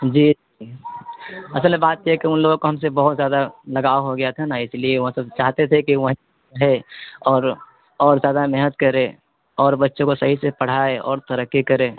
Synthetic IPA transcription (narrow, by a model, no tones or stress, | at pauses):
d͡ʒiː | i | ɐsəlmebaːt̪jeɦɛkiʊnloːɡkoɦɐmsebɐɦʊt̪zjaːd̪alɐɡaːoɦoɡɐjat̪ʰanaɪslieʋɐɦãsɐt͡ʃaːɦt̪et̪ʰekiʋɐɦ | ɦeɔːɾ | ɔːɾzjaːd̪amɛɦnət̪kɐɾẽ | ɔːɾbɐtːʃõkosɐɦisepɐɽ̤aːeʔɔ̰ːɾt̪ɐɾəkːikɐɾẽː